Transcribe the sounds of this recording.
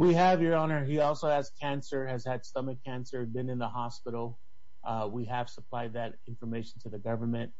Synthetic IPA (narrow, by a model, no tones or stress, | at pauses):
wiɨvjə˞ɑnə˞iɔlˠsoʊɨzkʰæ̃nsə˞ɨz̥ɨd̥stʌmɨkʰæ̃nsə˞bɨ̃nɨ̃nðəhɑspɪɾl̩ˠ | wiɨv̥səpʰl̥aɪd̪̚ðɨɾɪ̃ɱfə˞meɪʃn̩tʰɨðɨɡʌvə˞mɨ̃nt̚